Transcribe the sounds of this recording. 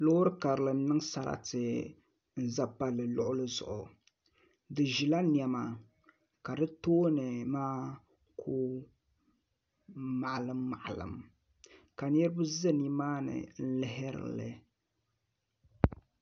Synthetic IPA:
lo˦hʊ˦ɾɨ˦ka˨ɾɨ˨lɨ˨m̩˦nɨ˦ŋsa˨ɾa̰˦tɨ˨ | n̩˨za˦pa˦lɨ˨lʊ˦ʔʊ˦lɨ˦zʊ̰˨ʔʊ̰˨ | dɨ˨ʒi˨la˦ni˨ɛ˨ma˨ | ka˨dɨ˦toː˦nɨ˨maː˦ | kʰu˦ | ma˨ʔlɨ˦mːa˨ʔlɨ̰˨m | ka˨n˦ɛ˦ɾɨ˦bɨ˦zɨ˦ni˦maː˦nɨ̰˨n̩˦lɪ˦ɦɪ˦ɾɨ̰˨lɨ̰˨

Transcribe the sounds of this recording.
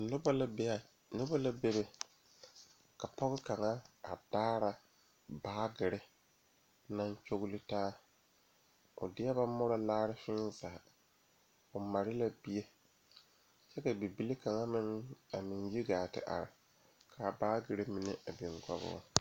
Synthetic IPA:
nʊ˦ba˦la˦be˦a˨ | nʊ˦ba˦la˦be˦be˨ | ka˨pɔ˦ɣɪ˦ka˨ŋa˦a˨d̥aː˦ɾa˨ | baː˦ɡɪ˨ɾɪ˦ | na˦nt͡ʃo˦ɣlɪ˦taː˦ | ʊ̰˨dɪ˦ja˦ba˦mɔ˦ɾa˨laː˦ɾɪ˦fɪ˦nzaː˨ | ʊ˨ma˨ɾɪ˦la˨bi˦je˦ | t͡ʃɛ˦ka˨bi˨bi˨˦li˦ka˨ŋa˦mɪ˦na˨mɪ˨n˦ji˦ɡaː˨tɪ̰˨ʔa̰˨ɾɪ̰˨ | kʰa˨baː˦ɡɪ˨ɾɪ˦mɪ˨nɪ˦ʔa˨bɪ˨ŋɡa̰˦bʊ̰ː˨˦˨

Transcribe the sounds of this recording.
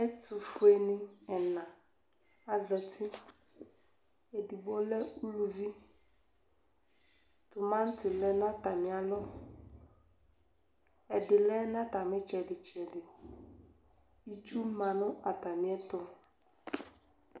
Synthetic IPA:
ɛ˦t̪u˨fʊ˦e˨nɪ̃˦ɛ˨nã˨ | a˨zɛ˨t̪ʰi˦ | e˨di˨bo˦lɛ˦u˦lu˨vi˦ | t̪ʊ˨mã˦ŋ̩˦t̪ɪ˨lɛ˦nã˦t̪a˨mĩ˨a˨lɔ˦ | ɛ˨dɪ˨lɛ˦nã˦t̪a˨mɪ̃˦t͡ʃɛ˨ɖɪ˨t͡ʃɛ˨ɖɪ˨ | i˦t͡ʃu˦mã˨nʊ̃˦a˨t̪a˨mĩ˦ɛ˦t̪ɔ˦

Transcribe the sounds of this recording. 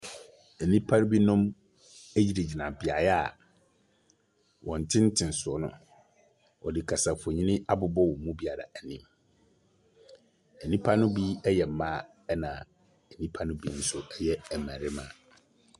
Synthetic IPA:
æ˨nĩ˦pʰa˦nʊ̃˦bi˦nɔ̃˦m | æ˦ji˨ɾe˨d͡ʑi˨nã˨bɪ˨a˨jɛ˦a˨ | wɔ̃˨n˨tʰɪ̃˦n̩˦tʰɪ̃˨n̩˨sʊ˨ɔ˨nʊ̰̃˦ | ɔ˨dɪ˨kʰa˨sa˨fʊ˨ɔ˨ɲĩ˦nɪ̃˦ʔa˦bʊ˨bɔ˦wɔ̃˨mũ˦bi˨a˨ɾa̰˨æ˨nĩ˨m | æ˨nĩ˦pʰa˦nʊ̃˦bi˦ɛ˦jɛ˨m̩˨˦mã˦ | ɛ˦nã˨ | ɛ˨nĩ˦pʰa˦nʊ̃˦bi˦nʊ̃˦sʊ˦ɛ˦jɛ˦æ˨mæ̃˨ɾɪ˦mã̰˨

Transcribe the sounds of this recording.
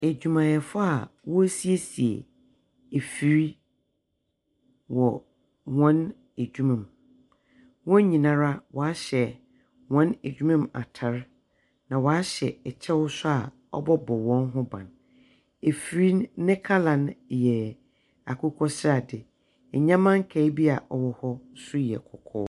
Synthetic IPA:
e˨d͡ʑᶣu˨mã˨jɛ˨fʊ˦a˨wɔ˦si˦e˦si˨ḛ˨ | e˨fi˨ɾi˦ | wɔ˨ | hɔ̃˦n | e˨d͡ʑᶣu˦mã˨m˨ | wɔ̃˦ɲĩ˨nã˦ɾa˦wʔɔ˨a˦ɕɛ˨ | wɔ̃˦ne˨d͡ʑᶣu˦mã˦ma̰˨tʰa˨ɾ | nã˨wɔ˨a˦ɕɛ˨ɛ˨t͡ɕʰɛ˦wʊ˦sʊ˦a˨ | ɔ̰˦bɔ˦bɔ˨wɔ̃˦nɦʊ̃˦bã̰˨n | e˨fi˨ɾi˦nɪ̃˦kʰa˦lã˨njɛ˨ | a˨kʰʊ˦kʰɔ˦sɪ˦ɾa˨dɪ˨ | ɛ˨ɲã˦mã˦ŋ˦kʰɛ˨i˦bi˦a˨ʔɔ˨wɔ˦hɔ˦sʊ˦jɛ̰˨kʰɔ˨kʰɔː˦

